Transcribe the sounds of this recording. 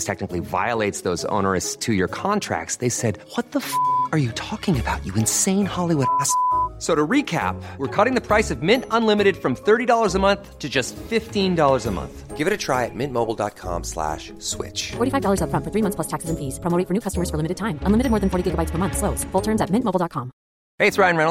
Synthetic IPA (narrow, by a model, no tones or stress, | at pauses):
stʰɛk̚nɨkliva̰ɪəleɪtsðoʊzõ̰ʊnə˞ɨstʰɨjə˞kʰɑ̃ntʰɹ̥æ̰k̚tsðeɪsɛd̚wʌt̪̚ðəfə˞jɨtʰɔkɪ̃ŋɨbaʊt͡ʃɨɨ̃nsẽɪ̃nhɑlˠiwʊɾæssoʊɾəɹikʰæ̰p̚wəɹkʰɔɾɪ̃ŋðɨpʰɹ̥aɪsʌvmɪ̃ntə̃nlɪ̃mɨɾɨd̥fɹʌ̃mθɜ˞ɾidɔlˠə˞zəmʌ̃nθtʰɨd͡ʒʌstfɪftĩndɔlˠə˞zəmʌ̰̃nθɡ̥ɪvɨɾɨtʰɹ̥aɪɨt̚mɪ̃nmoʊbl̩ˠdɑ̰t̚kʰɑ̰̃mslæ̰ʃ | swɪ̰t͡ʃfɔɹɾifaɪvdɔlˠə˞zəfɹʌ̃nfə˞θɹimʌ̃θpʰlʌstʰæksɨzɨ̃nfiz̥pʰɹ̥əmoʊɾɪ̃ŋfə˞nʉkʰʌstəmə˞z̥fə˞lɪ̃mɨɾɨd̚tʰãɪ̃mə̃nlɪmɨɾɨd̚mɔɹðɨ̃n̩fɔɹɾiɡɪɡəbaɪtspʰə˞mʌ̃nθsloʊsfʊlˠtʰɜ̃˞nzɨt̚mɪ̃ntmoʊl̩ˠdɑt̚kʰɑ̃m | heɪɨtsɹaɪɨ̃nɹɛn̩ˠ